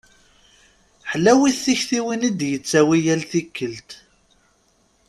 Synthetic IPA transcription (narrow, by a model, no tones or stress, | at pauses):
ħlːæwiθːiçθiwinid̪jət͡sːæwijælθikːəlt̪